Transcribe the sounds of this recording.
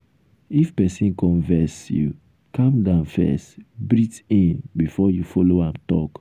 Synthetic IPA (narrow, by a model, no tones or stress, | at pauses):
ifpɛsĩnkɔ̃nvɛsjṵ | kãmdãʊ̃nfɛ̰stbɾitĩnbifɔjufɔloãmtɔk